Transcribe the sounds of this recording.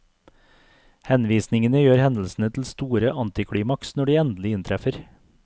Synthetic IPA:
hɛnʋiːsnɪŋənəjøːɾhɛnl̩sn̩ət̪ʰl̩st̪uːɾəʔɑnt̪ɪkʰɽiːmɑksnɔɖiːɛnd̪l̩ɪɪnt̪ʰɾɛfəɾ

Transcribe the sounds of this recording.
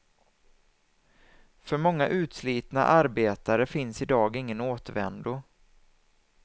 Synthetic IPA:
fœɾmɔŋːaʔʉ̟ːt̪sliːt̪na̰ʔaɾbeːt̪aɾəfɪnsɪd̪ɑːɡɪŋːənoːt̪əvɛ̰nd̪ʊ

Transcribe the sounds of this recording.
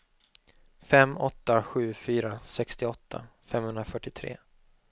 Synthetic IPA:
fɛmːɔt̪ːaɧʉ̟ːfyːɾasɛkst̪ɪɔt̪ʰːa̰fɛmhɵnd̪ɾafœʈːɪt̪ʰɾḛː

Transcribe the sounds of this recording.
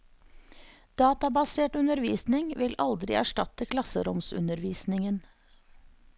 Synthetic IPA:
d̪̥ɑːt̪ɑbɑseːʈʉnəɾʋiːsnɪŋʋɪlʔɑld̪ɾɪ̰ʔæ̰ʂʈɑt̪əkʰlɑsəɾʊmsʉ̰nəɾʋiːsnɪŋən

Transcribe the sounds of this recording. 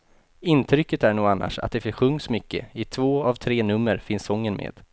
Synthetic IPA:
ɪnt̪ʰɾʏkːət̪æɳuːɡanːʔa̰ʂa̰t̪̚d̪ɛfɪɧɵŋːsmʏkːə̰ɪt̪ʰvoːavt̪ʰɾeːnɵmːəɾfɪnsɔŋːənmʔḛːd̪̥

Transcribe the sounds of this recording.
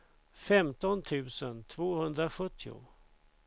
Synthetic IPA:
fɛmt̪ɔnt̪ʰʉ̟ːsənt̪ʰvoːhɵnd̪ɾaɧɵt̪ʰːɪʊ̰

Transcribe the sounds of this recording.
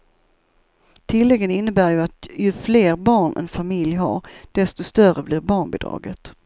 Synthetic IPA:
t̪ʰɪlːɛɡːənɪnːəbæːɾjɵat̪jɵfleːɾbɑːɳɛ̰nfamɪljɦa̰ɾɖ̪̥ɛst̪ɔst̪œrəblɪɾbɑːɳbɪd̪ɾɑ̰ːɡət̪

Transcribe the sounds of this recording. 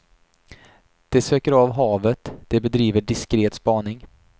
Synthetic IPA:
d̪̥ɛsøːkəɾɑvɦɑːvət̪d̪̥ɛbɛd̪ɾiːvəɖɪskɾeːt̪spɑːnɪŋ

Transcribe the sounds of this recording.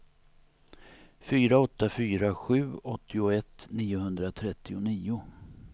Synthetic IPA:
fyːɾaɔt̪ːafyːɾaɧʉ̟ːɔt̪ʰːɪʊɛt̪ːniːʊhɵnd̪ɾat̪ʰɾɛt̪ːɪʊniːʊ

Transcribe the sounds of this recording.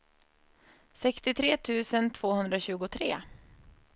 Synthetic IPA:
sɛkst̪ɪt̪ʰɾeːt̪ʰʉ̟ːsənt̪ʰv̥oːhɵnd̪ɾaɕʉ̟ːɡʊt̪ʰɾeː

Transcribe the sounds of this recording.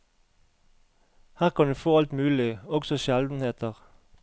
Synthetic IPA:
hæːʁkʰɑnd̪ʉːfoːɑlt̪mʉːlɪɔɡsɔʃɛld̪n̩heːt̪ʰəʁ

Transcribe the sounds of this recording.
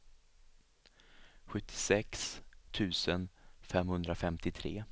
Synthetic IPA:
ɧɵt̪ʰːɪ̥sɛkst̪ʰʉ̟ːsənfɛmhɵnd̪ɾafɛmt̪ɪt̪ʰɾḛː

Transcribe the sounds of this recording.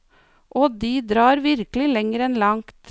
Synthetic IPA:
ʔoːd̪iːd̪ɾɑːɾʋɪɾklɪlɛŋəɾɛnlɑŋkt̪

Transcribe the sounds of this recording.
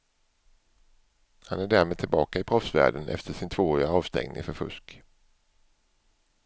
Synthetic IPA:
hanæɖæːɾmeːd̪̚t̪ʰɪlbɑːkaɪpʰɾɔfsvæ̰ːɖənʔɛ̰ft̪ʰəʂɪnt̪ʰvoːɾɪaɑːvst̪ɛ̰ŋnɪ̰ŋfœɾfɵ̰ʂk

